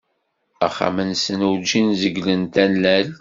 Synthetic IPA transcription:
æ̰χːa̰mənsənuwd͡ʒinzəɡlənt̪ænːæl

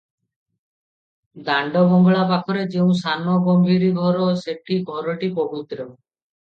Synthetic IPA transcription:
d̪aɳɖɔɡɔŋɡɔɭapakʰɔɾed͡ʒeũsanɔɡɔmbʱiɾiɡʱɔɾɔseʈʰiɡʱɔɾɔʈipɔbit̪ɾɔ

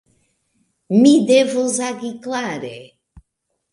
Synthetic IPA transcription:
mid̪evozaɡiklaɾe

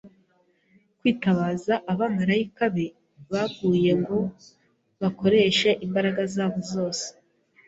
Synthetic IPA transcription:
kwiːtaβaːzaʔaβamaɾaikaβe | βaɡɡuːje̞ŋɡo̞ | βako̞ɾe̞ːʃe̞ʔimbaɾaɡazaːβo̞zo̞ːse̥

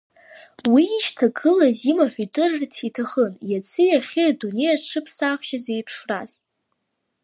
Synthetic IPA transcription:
wiːʃtʰaɡɨlazimaħʷᶣitʼɨrrtʰitʰaχənjat͡sʰɨjaχʲiadune̞jaʈ͡ʂʰɨpʰsaχʷʃazejpʰʂraz̥tʼ

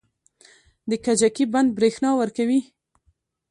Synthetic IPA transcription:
d̪əkad͡ʒakiband̪̚bɾexnɑwəɾkawi

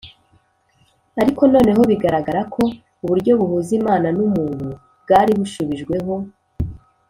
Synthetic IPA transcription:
aɾiko̞no̞ːne̞ɦo̞βiɡaɾaɡaɾakʰo̞ | uβuɾɟo̞βuhuːzimaːnanumuːnu | bɡaːɾiβuʃuβiʒɡwe̞ɦo̞

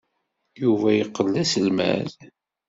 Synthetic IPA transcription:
juvæjəqːəlːæsəlmæ̰ð

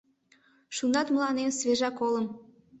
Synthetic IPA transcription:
ʃunɑt̪məlˠɑnemsveʒɑkoləm

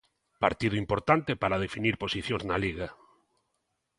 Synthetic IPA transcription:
pa̰ɾt̪iðʊimpoɾt̪ant̪epaɾað̞efiniɾposiθjõŋznaliɣa

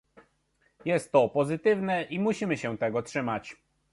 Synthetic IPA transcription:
jɛst̪ːɔpɔzɘt̪ɘvnɛʔimuɕimɘɕɛ̃t̪ɛɡɔtʂɘmat͡ɕ

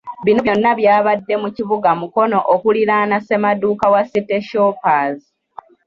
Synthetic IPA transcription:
βinojonːaβjaːβadːe̞muciβuɡamuko̞no̞ʔokuliɾaːnase̞maduːkawasitːe̞ʃoːpaːzi

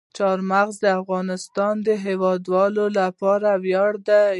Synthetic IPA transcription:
t͡ʃɑɾmaɣzd̪əafɣɑnɪst̪ɑnd̪əɦewɑd̪wɑlolapɑɾawjɑɽd̪a

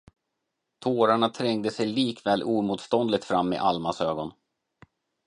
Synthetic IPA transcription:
t̪ʰoːɾaɳat̪ʰɾɛŋd̪əsɛjliːkvɛːlʔuːmuːt̪st̪ɔnd̪lɪɡ̚t̪fɾamːɪ̰ʔalmasøːɡɔn

